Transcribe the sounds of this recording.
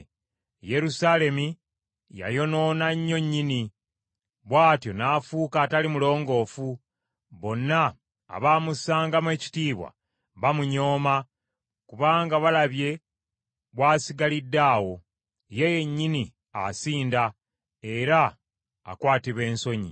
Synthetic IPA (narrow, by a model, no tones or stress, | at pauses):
je̞ɾusale̞mi | ja̰jo̞no̞ːnaɲːo̞ɲːini | βwaːtjo̞naːfuːkaːtalimulo̞ːŋɡo̞ːfu | βo̞nːa̰ː | βaːmusaːŋɡamwe̞ːci̥tiːβwa̰ | βamuɲo̞ːma | kuβaːŋɡaβalaβje̞ | βwaːsiɡalidːaːwo̞ | jeje̞ɲːini | a̰siːnda | e̞ɾa̰ː | kwaːtiβe̞ːnso̞ɲḭ